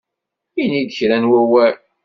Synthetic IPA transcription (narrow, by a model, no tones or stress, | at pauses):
inid̪çɾænwæwæl